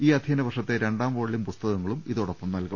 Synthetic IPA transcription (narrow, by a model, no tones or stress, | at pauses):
iːɐd̪ʱiɐnɐʋɐrʂɐt̪ːe̞ɾe̞ɳɖaːmʋoːɭːimpust̪ɐɣɐŋːɐɭumiðoɽɐpːɐmnɐlkɐ